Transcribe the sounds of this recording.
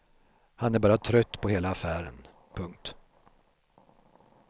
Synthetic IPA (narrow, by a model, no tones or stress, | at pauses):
hanæɾbɑːɾat̪ʰɾœt̪ːpʰɔheːlaːfæːɾə̰n | pʰɵŋk̚t̪